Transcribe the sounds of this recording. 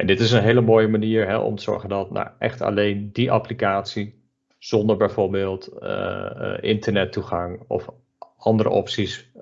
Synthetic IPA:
ʔɛndɪtɪs̬ənɦeːləmoːjəmaniːɹɦɛ̰ʔɔ̰mtəz̥ɔ̰ɹχəndɑtna̰ʔɛ̰χta̰lejndiʔa̰plikaːtsi | z̥ɔndəɹbɛjvoːɹbɪːlˠtə | ɪntəɹnɛtːuχɑŋɔ̰f | ɑndəɾə̰ʔɔpsis

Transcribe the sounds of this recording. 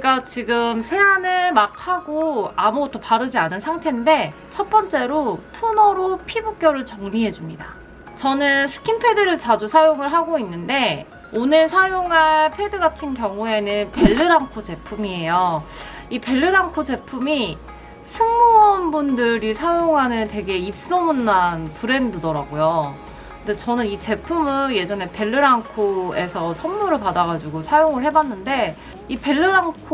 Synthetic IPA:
eɡat͡ɕiɡɯmsʰe̞anɯɭmak̚ʰaɡoamuɡʌtʰopaɾɯd͡ʑianɯnsʰaŋtʰe̞nde̞ | t͡ɕʰʌt̚p͈ʌnt͡ɕ͈e̞ɾotʰonʌɾopʰibuk͈jʌɾɯɭt͡ɕʌŋɲiɦe̞d͡ʑumɲida̰ | t͡ɕʌnɯnsʰɯ̥kʰinpʰe̞dɯɾɯɭt͡ɕad͡ʑusʰajoŋɯɭɦaɡoinːɯnde̞ | onɯɭsʰajoŋaɭpʰe̞dɯɡatʰɯnkjʌŋue̞nɯnpe̞ɭːɯɾaŋkʰot͡ɕe̞pʰumie̞jo | ipe̞ɭːɯɾaŋkʰod͡ʑe̞pʰumi | sʰɯŋmuʌnbundɯɾisʰajoŋɦanɯnte̞ɡe̞ip̚s͈omunːanpɯɾe̞ndɯdʌɾaɡojo | kɯnde̞t͡ɕʌnɯnit͡ɕe̞pʰumɯnje̞d͡ʑʌne̞pe̞ɭːɯɾaŋkʰoe̞sʰʌsʰʌnːuɾɯɭpadaɣad͡ʑuɡosʰajoŋɯɭhe̞banːɯnde̞ | ipe̞ɭːɯɾaŋkʰ

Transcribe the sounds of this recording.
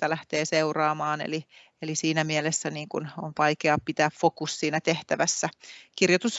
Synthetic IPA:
t̪ːælæht̪eːseurɑːmɑːnḛli | elisiːnæmielesːæniːŋkunonʋɑikeɑpit̪æːffokussiːnæt̪eht̪æʋæsːækirjot̪us

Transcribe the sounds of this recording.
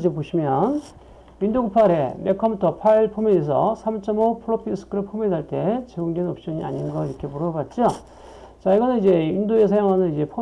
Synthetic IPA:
d͡ʑepoɕʰimjʌn | mindoɡupʰaɾe̞̰me̞kʰamutʰʌpʰaiɭpʰomjees̬ʰʌsʰamt͡ɕ͈ʌmopʰɯɾopʰisʰɯ̥kʰɯɾɯɭpʰomedaɭt͈e̞t͡ɕeɡoŋdenʌp̚ɕ͈ʌɲia̰ɲinnɡʌiɾʌkʰe̞muɾʌbat̚t͡ɕ͈o | t͡ɕaiɡʌnɯnid͡ʑe̞indoesʰajoŋɦanɯnid͡ʑe̞pʰo

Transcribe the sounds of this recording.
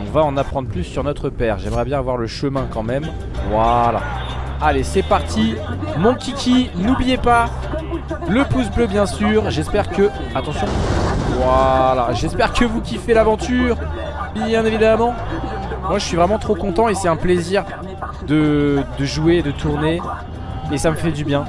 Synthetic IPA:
ɔ̃vaɑ̃napχɑ̃d̪ʁəplysːyʁnɔt̪χəpɛːʁʒɛmʁɛbjɛ̃avwaʁləʃəmɛ̃kɑ̃mɛm | vwala̰ | alesɛpaʁt̪ʰimɔ̃kʲikʲʰinublijepa | ləpus̬bløbjɛ̃syːʁʒɛspɛʁkə | at̪ɑ̃sjɔ̃vwalaʒɛspɛʁkəvukʲifelavɑ̃t̪yːʁ | bjɛ̃nevid̪amɑ̃ | mwaʒəsɥivʁɛmɑ̃t̪χokɔ̃t̪ɑ̃esɛt̪ɛ̃pleziʁ | d̪əd̪əʒueːd̪ət̪ʰuʁneː | saməfɛd̪ybjɛ̃

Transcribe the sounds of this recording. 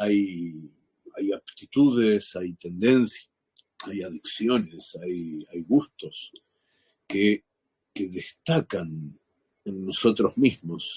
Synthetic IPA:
aj | ajaβt̪it̪uðesajt̪e̞nd̪e̞nsja | ajaðiksjo̞nesajajɣust̪o̞s | ke | keðest̪akan | enːoso̞t̪ɾozmismos

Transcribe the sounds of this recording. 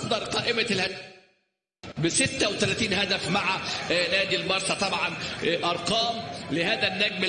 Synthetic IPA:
d̪ɑɾˤqɑːʔɪmælhæ | bɪsɪt̪ːæwet̪ælæːt̪iːnɦæd̪æfmaʕanæːd̪ilmɑɾˤsˤɑt̪ˤɑbʕɑnʔɑɾˤqɑːmlɪhæːd̪ænːæːɡmɪ

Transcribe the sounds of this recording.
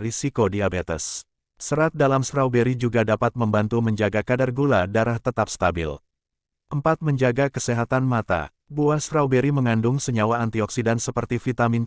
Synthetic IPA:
risikodiabet̪ə̰sː | əɾat̪̚dalamsɾawbeɾid͡ʒuɡadapat̪̚məmbant̪uməɲd͡ʒaɡakadarɡuladaɾaht̪ət̪ap̚st̪abɪ̰l | ʔəmpat̪̚məɲd͡ʒaɡakəseɦat̪anmat̪a̰ | buasɾawbeɾiməŋandʊŋsəɲawaːnt̪iɔksidansəpərt̪ifit̪amin

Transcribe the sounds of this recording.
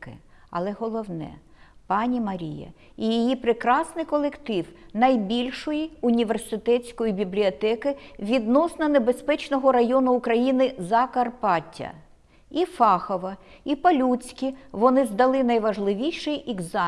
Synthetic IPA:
kɪ̰ | ɐ̰lˠɛɦɔlˠɔwnɛ̰pɑnʲimɐɾʲḭjɐ̰ | ijijipɾɪkɾɑsnɪjkɔlˠekt̪ɪwnɐjbʲilʲʃɔjiʊnʲiʋersɪt̪ɛt͡sʲkɔjibʲiblʲiɔt̪ɛkɪʋʲid̪nɔsnɐnebespɛt͡ʃnɔɦɔɾɐjɔnʊːkɾɐjinɪzɐkɐrpɑtʲːɐ̰ | ifɑxɔʋɐipɐlʲut͡sʲkʲiʋɔnɪzd̪ɐlˠɪnɐjʋɐʒlˠɪʋʲijʃɪjʔɛɡzɑ

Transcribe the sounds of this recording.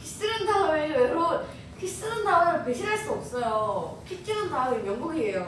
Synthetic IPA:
kʰis͈ɯɾɯndaeeɾo | kʰis͈ɯɾɯndaɯɾopeɕʰinɦaɭs͈uʌp̚s͈ʌjopʰit͡ɕ͈iɾɯndaijʌŋɡuɡiejo

